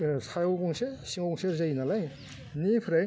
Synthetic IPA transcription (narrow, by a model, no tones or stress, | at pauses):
sʰajawɡɔŋsesiŋaŋseɾzajnalaj | nipʰɾaj